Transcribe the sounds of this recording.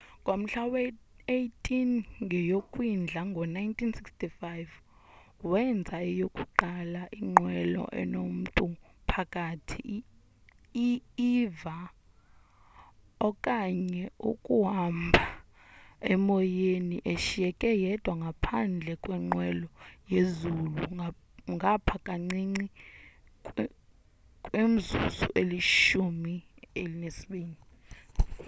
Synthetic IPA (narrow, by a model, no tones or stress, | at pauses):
ŋʱʼom̩ɬawe | ejtʰʼinŋʱɛjokʼwind͡ɮʱaŋɡʱɔnajntʰinsikstʼifajv | wɛnd͡zʱaɛjokʼuǃalaʔiŋ͡ǃwɛlɔ̰ʔɛ̰nom̩tʼupʰakʼaːtʰi | iiva | ɔkʼaɲɛukʼuɦambʱa | ɛmɔjeniʔeʃijɛkʼɛjɛd̥ʱwaŋɡʱapʰand͡ɮʱɛkʼwɛŋ͡ǃwɛlɔjezulṵ | ŋʱapʰakʼaŋ͡ǀiŋ͡ǀi | kʼwem̩zṵzṵʔeliʃumielinesiɓiːni